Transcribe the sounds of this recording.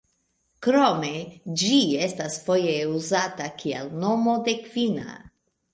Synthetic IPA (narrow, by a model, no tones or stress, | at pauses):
kɾo̞me̞d͡ʒie̞stasfo̞jeuzatakʰia̰lno̞mo̞de̞kvina̰